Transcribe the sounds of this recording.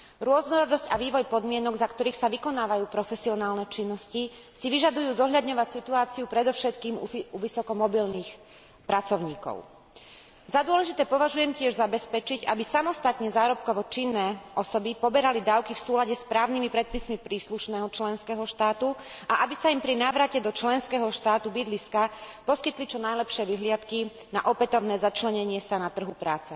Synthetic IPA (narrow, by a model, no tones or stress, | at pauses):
ɾʊɔznɔɾɔd̪ɔscaʋiːʋɔjpɔd̪mɪɛnɔɡzakt̪ɔɾiːxsaʋikɔnaːʋajuːpɾɔfɛsiɔnaːlnɛt͡ʃinːɔsci | siʋiʒad̪ujuːzɔɦʎad̪ɲɔʋacsit̪uaːt͡siupɾɛd̪ɔʊʃɛt̪kiːmuuʋisɔkɔmɔbilniːx | pɾat͡sɔʊɲiːkɔ̰ʊ | zad̪ʊɔlɛʒit̪ɛːpɔʋaʒujɛmcɪɛʒzabɛspɛt͡ʃiɟabisamɔst̪at̪ɲɛzaːɾɔp̚kɔʋɔt͡ʃinːɛːʔɔsɔbipɔbɛɾalid̪aːʊkifsuːlaɟɛspɾaːʊnimipɾɛt̪̚pismipɾiːsluʃnɛːɦɔt͡ʃlɛnskɛɦɔʃt̪aːt̪uaʔabisaimpɾinaːʋɾacɛd̪ɔt͡ʃlɛnskɛːɦɔʃt̪aːt̪ubid̪liskapɔskit̪lit͡ʃɔnajlɛpʃɪɛʋiɦlɪat̪ki | na̰ʔɔpɛt̪ɔʊnɛːzat͡ʃlɛɲɛɲɪɛsanat̪r̩ɦupɾaːt͡sɛ